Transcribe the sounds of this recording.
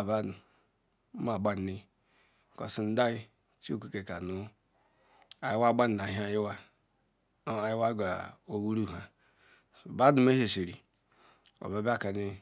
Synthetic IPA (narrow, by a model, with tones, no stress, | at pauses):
ba˦du˨˦ | ma˨ɡ͡ba˦n˨ni˦˨ | ko̰˨si˨n̩˦da˦i˦ | t͡ʃkʷi˦ke˨ka˨nu˦ | a˨ji˦wa˦ɡ͡ba˦n˨da˨ɦi˦a˦˨ji˦wa˦ | a˨ji˦wa˦ɡa̰˨o˦wu˦ɾu˦˨ɦa˨ | ba˦du˨m˦e˦he˨si˨ɾi˨ | o̰˨ba˨˦ba˦˨ka˨ni˦